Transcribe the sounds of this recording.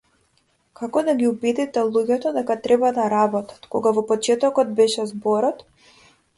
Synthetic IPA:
kakɔd̪aɡʲiubid̪it̪ɛlˠuɟʲɛt̪ɔd̪ɛkat̪ɾɛbad̪aɾabɔt̪ḁt̪kɔɡavɔpɔt͡ʃɛt̪ɔkɔd̪̚bɛʃɛzbɔɾɔt̪

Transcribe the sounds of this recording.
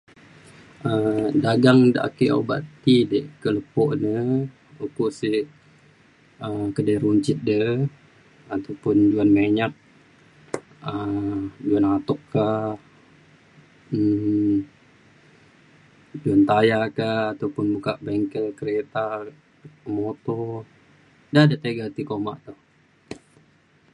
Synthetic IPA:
ʔədaɡaŋda̰ʔa̰keo̰ba̰ʔt̪idəʔkələpɔʔnə | ukuʔsi | əkədəɾuɲt͡ʃɪt̪̚də | at̪awpʊnd͡ʒuanmeɲak̪̚ | əd͡ʒuanat̪ɔkːa | d͡ʒuant̪ajakahat̪awpʊnbukaʔbɛŋkəlkəɾet̪a | mot̪ɔ | dadat̪eɡat̪ikoma̰ʔt̪uh

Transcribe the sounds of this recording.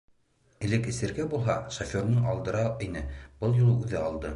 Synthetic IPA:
ɘ̆lɘkɘ̆sɘ̆ɾɡæbulˠɦɑʃofʲoɾnɤɴʔɑlˠd̪ɤ̆ɾɑinɘb̥ɤlˠjulˠʉðɘɑlˠd̪ɤ

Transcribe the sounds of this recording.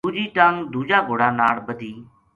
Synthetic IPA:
uːd͡ʒiːʈaŋd̪uːd͡ʒaːɡoːɽaːnaːɭbəd̪ʱiː

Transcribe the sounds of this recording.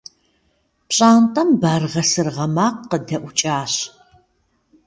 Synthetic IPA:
pɕʼaːntʼɐmbaːrʁɐsɨrʁɐmaːqːədɐʔʷʊt͡ʃʼaːɕ

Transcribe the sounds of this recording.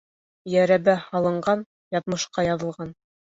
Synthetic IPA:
jæɾæβæhɑlˠɤ̆ɴɢɑn | jɑðmɤ̆ʃqɑjɑðɤ̆lˠʁɑn

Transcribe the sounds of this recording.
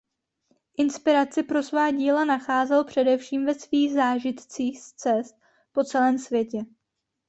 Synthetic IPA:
ʔɪnspɪɾat͡sɪpɾo̞svaːɟiːlanaxaːzɛlpr̝̥ɛdɛfʃiːmvɛsviːɣzaːʒɪt̪t͡siːxst͡sɛst̪̚ | po̞t͡sɛlɛːmsvjɛcɛ

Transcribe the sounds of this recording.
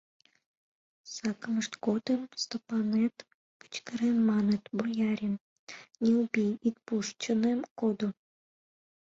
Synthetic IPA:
sɑkəmə̆ʂt̪kot̪emst̪opɑnet̪ | pɨ̥t͡ɕkə̆ɾemːɑnət̪bojɑɾʲim | nʲeubʲijit̪̚puʂt͡ɕə̆nemkod̪o

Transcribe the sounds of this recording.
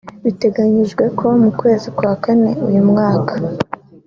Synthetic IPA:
βite̞ɡaɲiʒɡwe̞ko̞mukwe̞ːzikwakane̞ujumŋaːkḁ

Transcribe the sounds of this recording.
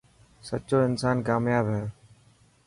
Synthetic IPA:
sətːt͡ʃoːɪnsaːnkaːmjaːbɦɛː

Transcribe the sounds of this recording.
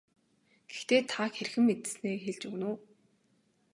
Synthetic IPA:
ɡ̥ext̪eːt̪ʰaxerxɘ̆mːet̪ɘ̥̆sneːxeɮt͡ɕuɣnʊː

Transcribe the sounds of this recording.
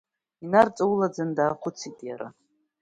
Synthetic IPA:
inart͡sʼawulad͡zandaːqʰʷʊt͡sʰitʼjaɾa̰

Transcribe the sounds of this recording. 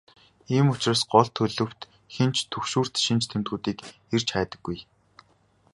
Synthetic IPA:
iːmʊt͡ɕraːsɢɔɮt̪ʰːɵɮɵ̆w̥t̪ | xent͡ɕt̪ʰɵkʃuːr̥t̪ʃint͡ɕt̪ʰemt̪ɡuːt̪iːk | ert͡ɕχæːt̪ə̆ɡːuj

